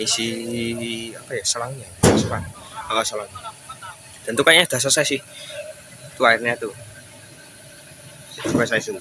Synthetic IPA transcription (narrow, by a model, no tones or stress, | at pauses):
isi | apajasəlaŋɲaasəlanaasəlaŋɲa | d̪̥ant̪ukajaɲad̪̥as̬asajasɪh | t̪uaɪrɲat̪u | it̪ukasajasd̥̪ant̪